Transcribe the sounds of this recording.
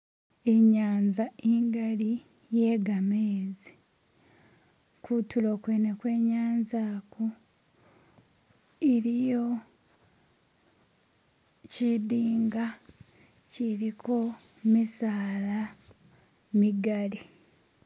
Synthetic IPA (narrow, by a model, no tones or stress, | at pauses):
e̞ɲaːnzaeŋɡali | je̞ːɡameːzi | kʰutulo̞ːkweːnekwe̞ːɲaːnzaːko | iɾijo̞ | cidiːŋɡa | ciɾikʰo̞ | misaːla | miɡali